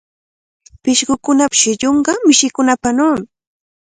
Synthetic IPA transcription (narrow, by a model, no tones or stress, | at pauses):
pɪʃɢʊkʊnapɪ̥ʃɪʎoɴɢɑmɪʃɪkʊnapanoːmɪ